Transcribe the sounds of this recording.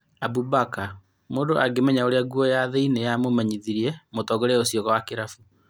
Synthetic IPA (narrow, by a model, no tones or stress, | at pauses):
abubaka | moːndoʔaɡemɛɲaoɾeaɡuɔjaðeinejamomaɲiðiɾiɛmotɔɡoɾɛosiɔɣɔwakeɾafu